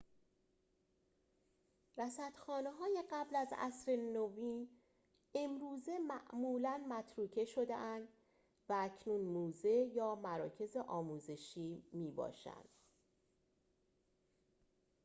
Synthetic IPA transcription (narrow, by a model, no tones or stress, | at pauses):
ɾæsæt̪xɒːneɦɒːje̞ɢæblæzæ̰sɾe̞noviːn | e̞mɾuːze̞mæʔmuːlænmæt̪ʰɾuːcʰe̞ʃo̞d̪eʔænd̪ | vææcʰnuːnmuːze̞jɒːmæɾɒːcʰe̞ze̞ʔɒːmuːze̞ʃiːmiːbɒ̰ːʃæ̰nd̪̥